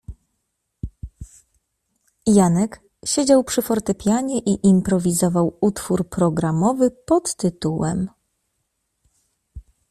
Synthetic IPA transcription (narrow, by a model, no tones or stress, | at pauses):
janɛk | ɕed͡ʑawpʂɘfɔɾt̪ɛpʲjaɲɛʔiʔimpɾɔvʲizɔvawut̪fuɾpɾɔɡɾamɔvɘpɔt̪ːɘt̪uwɛ̰m